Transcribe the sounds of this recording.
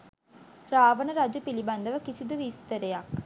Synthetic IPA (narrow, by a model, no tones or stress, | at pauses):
ɾaːʋənəɾad͡ʒupiliband̪əʋəkisid̪uʋist̪əɾejak